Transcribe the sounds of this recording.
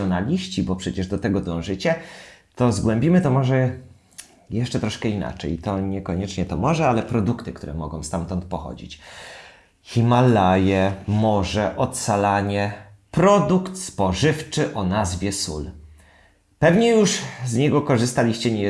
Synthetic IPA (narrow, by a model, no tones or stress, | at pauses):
ɔnalʲiɕt͡ɕibɔpʂɛt͡ɕɛʐd̪ɔt̪ɛɡɔd̪ɔ̃w̃ʐɘt͡ɕɛt̪ɔzɡwɛmʲbʲimɘt̪ɔmɔʐɛ | jɛʂt͡ʂɛt̪ɾɔʂkɛina̰t͡ʂɛ̰jt̪ɔɲɛkɔɲɛt͡ʂɲɛt̪ɔmɔʐɛalɛpɾɔd̪ukt̪ɘkt̪uɾɛmɔɡɔ̃w̃st̪amt̪ɔnt̪̚pɔxɔ̰d͡ʑḭt͡ɕ | xʲimalajɛmɔʐɛʔɔt̪salaɲɛ | pɾɔd̪ukt̪spɔʐɘft͡ʂɘʔɔnazvʲjɛsṵl | pɛvɲɛjuʂzɲɛɡɔkɔʐɘst̪alʲiɕt͡ɕɛɲɛ